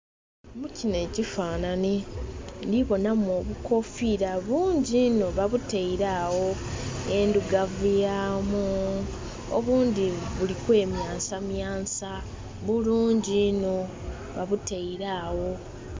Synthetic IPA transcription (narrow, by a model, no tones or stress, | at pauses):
mucine̞ːcifaːnanindiβo̞namo̞βukʰo̞fiɾaβuːɲɟinoβaβuteiɾaːwo̞e̞nduɡavujaːmu | o̰βuːndiβulikwe̞ːmjaːnsamjaːnsa | βuluːɲɟino | βaβuteiɾaːwo̞